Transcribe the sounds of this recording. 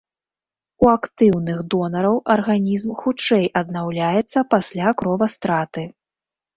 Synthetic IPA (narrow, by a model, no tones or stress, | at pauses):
uakt̪ɨwnɨɣd̪ɔnɐɾɐwʔɐrɣanʲizmxut͡ʂɛjʔɐd̪̚nawlʲajɛt̪sːɐpasʲlʲakɾɔvɐst̪ɾat̪ɨ